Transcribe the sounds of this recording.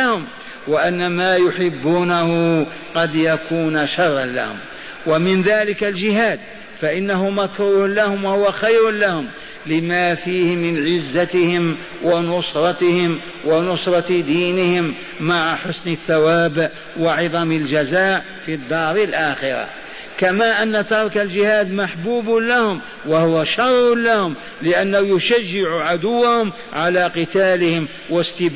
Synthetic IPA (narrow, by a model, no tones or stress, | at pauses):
ahʊm | waʔanːamaːjʊħɪbːuːnahʊ | qɑd̪jakʰuːnʃɑrˤːɑnla̰hʊ̰m | wamɪnðaːlɪkald͡ʒɪɦaːd̪ | faʔɪnːaɦʊmakɾuːhʊlahʊmwahʊwaxajɾʊnlahʊm | lɪmafiːhɪmɪnʕɪzːat̪ɪhɪm | wʔɑnʊsɾˤɑt̪ɪhɪm | wanʊsˤɾˤɑd̪iːnɪhɪmː | aʕaħʊsnɪθːawaːbʔ | wɑʕɑd̪ˤɑməld͡ʒæzaːʔ | fid̪ˤːɑːɾˤɪlʔaːxɪɾa̰ | kamaʔanːat̪ɑɾˤkald͡ʒɪhaːd̪maħbuːblahʊm | wahʊwaʃɑrˤːʊnlahʊm | lɪʔanːahujʊʃaʒːɪʕuʕad̪ʊwːahʊm | ʕalaqɨt̪aːlɪhɪm | wast̪ɪb